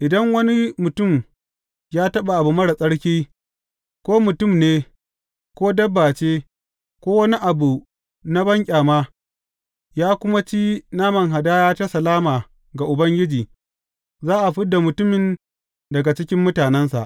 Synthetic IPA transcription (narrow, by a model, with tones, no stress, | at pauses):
ʔɪ˨dɐ˦ŋwɐ˦ni˦mʊ˨tʊ˦˨m | jaː˦tɐ˦ɓa˨ʔa˨bu˨mɐ˦ɽa˨sʼɐ˦ɽkʲiː˦ | kʷoː˦mʊ˨tʊ˦˨mneː˦ | kʷoː˦dɐ˦bːaː˨t͡ʃeː˦ | kʷoː˦wɐ˦ni˦ʔa˨bu˨ | na˦bɐ˦ŋkʲʼaː˨maː˦ | jaː˦kʷʊ˦ma˦t͡ʃiː˦naː˦mɐ˨ŋɦa˨daː˦jaː˦t͡ʃa˦sɐ˨laː˦maː˨ | ɡa˨ʔʊ˨bɐ˦ŋɡʲɪ˦d͡ʒiː˨ | zaː˦ʔa˨ɸɪ˦dːa˨mʊ˨tʊ˦mɪ˨n | dɐ˨ɡa˨t͡ʃɪ˦kʲɪ˦mːʊ˦taː˨nɛ˦nsa̰˨ʔ